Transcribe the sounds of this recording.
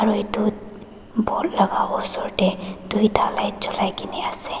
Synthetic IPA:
aɹuetu | bʱɔutlaɡaɔsɔɹʈɛdujtʰalajt͡ʃɔlajkinɛasɛ

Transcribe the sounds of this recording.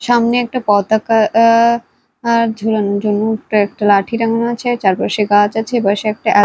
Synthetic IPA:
ʃamneɛk̚ʈapɔd̪aka | ɾd͡ʑʱuɾand͡ʑonupɛk̚ʈalaʈʰiɾaŋanat͡ɕʰet͡ɕaɾpaʃeɡat͡ɕat͡ɕʰebaʃeɛk̚ʈaʔɛ

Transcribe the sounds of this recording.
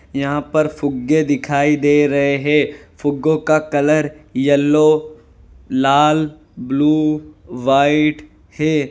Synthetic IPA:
jɐɦãpɐɾfʊɡːed̪ɪkʰaːid̪eːɾɐɦeɦɛːfʊɡːõkakɐləɾjɐlːo | laːl | bluːʋaːɪʈ | hɛː

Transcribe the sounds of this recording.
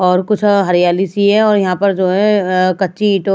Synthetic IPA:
ɔːɾkʊt͡ʃʰɦɐɾijaːlisiɦɛ̃ɔːɾjɐɦãpɐɾd͡ʒoːɦɛ̃kɐtːʃiːʈo

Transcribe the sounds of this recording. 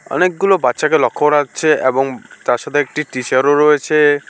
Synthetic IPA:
ɔ̰nek̚ɡulobat̪ːʃakelɔkʰːoɾak̚t͡ʃʰeʔebɔŋt̪aɾʃat̪ʰeek̚ʈiʈiʃaɾoɾɔet͡ʃʰe

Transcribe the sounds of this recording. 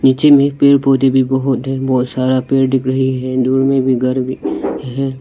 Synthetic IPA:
niːt͡ʃemẽpeːɽpoːd̪ebʱibɔɦʊt̪ɦɛbɔːt̪saːɾapeːɽɖɪkɾəɦiɦɛd̪uːɾmẽbʱiɡʱɐɾbʱiɦɛː

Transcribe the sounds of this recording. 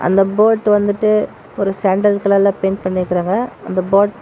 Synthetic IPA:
ʔɐ̰nd̪ɐboːʈːʋɐnd̪ɯʈːɯ | ɔɾɯsaːɳɖɐlkɐɭɐlãːpeːnpɐɳːɪɾɯkːɪɾaːŋɡɐɐnd̪ɐboːʈ

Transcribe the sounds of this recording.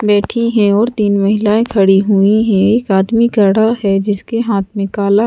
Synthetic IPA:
bɛːʈʰiɦɛ̃ɔːɾt̪iːnmɐɦɪlaːẽkʰɐɽiɦuiɦɛ̃eːkaːd̪miɡɐɽaɦɛd͡ʒɪskeɦaːt̪ʰmẽkaːla

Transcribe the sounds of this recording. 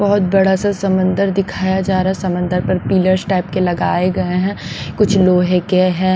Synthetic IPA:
bɐɦʊt̪̚bɐɽ̤asasɐ̃mə̃nd̪əɾd̪ɪkʰaːjad͡ʒaːɾaɦɛsɐmə̃nd̪əɾpɐɾpiːləɾsʈaːɪp̚kelɐɡaːeɡɐeɦɛ̃kʊt͡ʃʰloːɦẽkeɦɛ̃ː

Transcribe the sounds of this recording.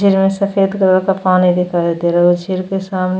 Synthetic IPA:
d͡ʒɪɾmẽsɐfeːd̪kəɾakapaːnid̪ɪkʰaːid̪eːɾod͡ʒʱɪɾkesaːmn

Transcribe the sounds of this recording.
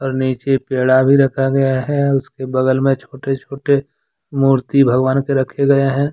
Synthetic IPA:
ɔːɾniːt͡ʃepeːɽabʱiɾɐkʰaɡɐjaɦɛʊskebɐɡəlmẽt͡ʃʰoːʈet͡ʃʰoːʈe | muːɾt̪ibʱɐɡʋaːnkeɾɐkʰeɡɐjeɦɛ̃ː

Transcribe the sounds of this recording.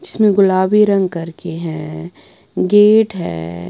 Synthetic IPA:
d͡ʒɪsmẽɡʊlaːbiɾɐ̃ŋɡkɐɾkeɦɛ̃ | ɡeːʈɦɛ̰ː

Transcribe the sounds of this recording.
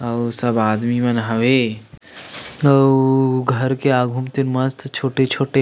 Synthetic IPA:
ɐwsɐbaːd̪mimɐnɦɐʋe | ɐwɡʱɐɾkeaːɡʱumt̪inmɐst̪t͡ʃʰoːʈet͡ʃʰoːʈe

